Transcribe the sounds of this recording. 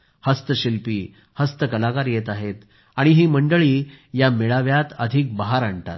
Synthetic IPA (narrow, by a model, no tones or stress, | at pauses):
həst̪əɕilpiː | həst̪əkəlakaɾjet̪aɦet̪ | aɽ̃iɦiːməɳɖəɭiːjameɭaʋjat̪əd̪ʱik̚baɦaɾaɳt̪a̰t̪̚